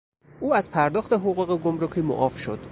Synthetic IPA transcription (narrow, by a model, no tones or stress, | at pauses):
ʔuːæzpʰæɾd̪ɒːxt̪eɦoɣuːɣeɡomɾocʰiːmo̰ʔɒːfʃo̰d̪̥